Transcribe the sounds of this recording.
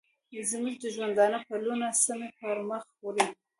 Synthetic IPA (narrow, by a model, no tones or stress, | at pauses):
zmuʒd̪əʒwand̪ɑnəpəlunasəmepəɾməxpoɾi